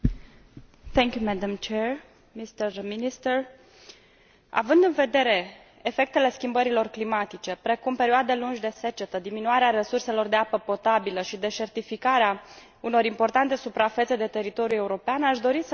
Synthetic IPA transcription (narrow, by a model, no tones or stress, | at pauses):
t̪ɛŋkʲjumɛd̪amt͡ʃeɹ | mist̪ərminist̪ər | a̰vɨnd̪ɨnve̞d̪e̞ɾe̞ː | fe̞k̚t̪e̞le̞skʲimbəɾilo̞rklimat̪it͡ʃe̞pɾe̞kumpe̞ɾioad̪e̞lunʒʲd̪e̞se̞t͡ʃe̞t̪əd̪iminuaɾeaɾe̞surse̞lo̞rd̪e̞apəpo̞t̪abiləʃid̪e̞ʃe̞rt̪ifikaɾea | uno̞ɾimpo̞rt̪ant̪e̞supɾafet̪se̞d̪e̞t̪e̞ɾit̪o̞ɾjue̞uɾo̞peanaʃd̪o̞ɾisə